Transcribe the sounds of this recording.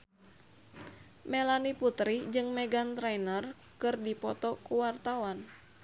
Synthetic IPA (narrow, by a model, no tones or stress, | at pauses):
melaniput̪ɾid͡ʒɨŋmɛɡant̪ɾajnər | kɨrdipɔt̪ɔkuwart̪awan